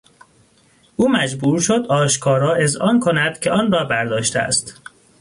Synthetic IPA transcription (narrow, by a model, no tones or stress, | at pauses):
ʔuːmæd͡ʒbuːɾʃo̞d̪ɒːʃkʰɒːɾɒːʔe̞zɒːnkʰonæd̪̥cʰe̞ɒːnrɒːbæɾd̪ɒːʃt̪eæ̰st̪